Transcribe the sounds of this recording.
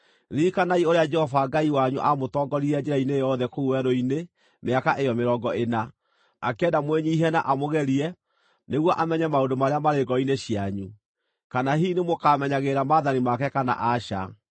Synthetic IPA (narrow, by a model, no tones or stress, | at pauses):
ɾiːkanaioɾead͡ʒɛhɔvaɡaiwaɲṵʔamotɔɡɔɾiɾɛd͡ʒɛɾainejɔðɛkouwɛɾoine | meakaʔejɔmeɾɔɡɔena | akɛdamweɲiːɦɛnaʔamoɣɛɾiɛ | neɣwɔʔamɛɲɛmaodomaɾeamaɾeɡɔineɕjaɲu | kanaɦiːnemokamɛɲaɣeɾamaðanimakɛkana̰ʔaʃa̰